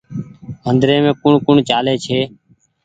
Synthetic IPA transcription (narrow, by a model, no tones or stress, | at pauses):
ənd̪ɾẽːmẽːkʊɳkʊɳt͡ʃaːleːt͡ʃʰeː